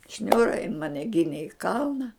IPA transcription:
ˈʃʲnʲuːrɐ jɪn ˈmɑːnʲɛ ˈɡʲɪnʲeː ɪ ˈkɐlˠnɐ

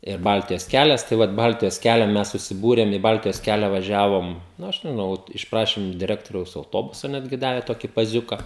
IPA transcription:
ɪr ˈbɐlʲtʲɪjoːs ˈkʲælʲɛs tɐɪ ˈʋɐt ˈbɐlʲtʲɪjoːs ˈkʲælʲɛ ˈmʲɛs sʊsʲɪˈbuːrʲɛm ɪ ˈbɐlʲtʲɪjoːs ˈkʲælʲɛ ʋɐˈʒʲæːʋoːm nʊ ˈɐʃ ˈnɐʊ ˈʋoːt ɪʃˈprɑːʃʲɪm ɪʃ dʲɪˈrʲæːktoːrʲɛʊs ɐʊˈtoːbʊsɐ ˈnʲæːdʲɡʲɪ ˈdɑːʋʲɛ ˈtoːkʲɪ pɐˈzʲʊkɐ

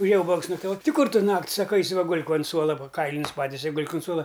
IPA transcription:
ʊˈʒʲeːjɛ ˈuːbɐks nɐktɐˈʋoːtʲ ˈtʲɪ ˈkʊr ˈtʊ ˈnɐktʲ ˈsɑːkɐ ˈɐɪsʲɪ ʋɐ ˈɡʊlʲk oːnt ˈsuɔlˠɐ ˈʋɐ ˈkɐɪlʲɪnʲʊs ˈpɑːtʲɪsʲɛ ɪ ˈɡʊlʲk ʊn ˈsuɔlˠɐ

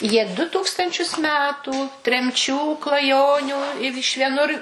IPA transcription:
jiɛ ˈdʊ ˈtuːkstɐnʲt͡ʃʲʊs ˈmʲæːtuː tʲrʲɛmʲˈt͡ʃʲuː klˠɐˈjoːnʲuː ɪ ɪʃ ʋʲiɛˈnʊr

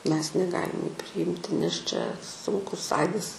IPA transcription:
ˈmʲɛs nʲɛˈɡɑːlʲɪm juː pʲrʲɪˈɪmʲtʲɪ nʲɛs t͡ʃʲɛ ˈsʊŋkʊs ˈɐɪdɐs

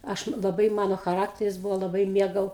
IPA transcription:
ˈɐʃ lˠɐˈbɐɪ ˈmɑːnoː xɐˈrɑːktʲɛrʲɪs ˈbuːʋoː lˠɐˈbɐɪ ˈmʲiɛɡɐʊ

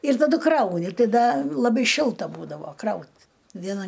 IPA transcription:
ɪr tɐˈdʊ ˈkrɐʊnʲɪ ˈtɐɪ ˈdɐ lˠɐˈbɐɪ ˈʃʲɪlˠtɐ ˈbuːdɐʋoː ˈkrɐʊt ʋʲiɛˈnɐ

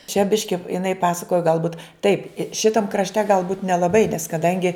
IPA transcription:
t͡ʃʲɛ ˈbʲɪʃʲkʲɪ ɪˈnɐɪ ˈpɑːsɐkoːjɛ ɡɐlˠˈbuːt tɐɪp ɪ ˈʃʲɪtɐm krɐʃʲˈtʲɛ ɡɐlˠˈbuːt nʲɛlˠɐbɐɪ nʲɛs kɐdɐŋʲɡʲɪ

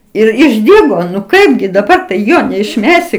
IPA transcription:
ˈɪr ɪʒʲˈdʲiːɡoː nʊ ˈkɐɪbʲɡʲɪ dɐˈbɐr tɐɪ ˈjoː nʲɛɪʃʲˈmʲæːsʲɪ

